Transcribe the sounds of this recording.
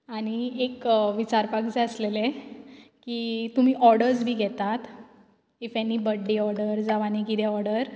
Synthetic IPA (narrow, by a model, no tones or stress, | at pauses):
aɽ̃iekʋit͡ɕaɾpakd͡zeəslele | kiːt̪um̤iːʔɔɾɖəɾd͡zbʱiːɡʱɛt̪at̪ | efanːiːbəɽːiɔɾɖəɾd͡zaʋanikit̪eɔɾɽəɾ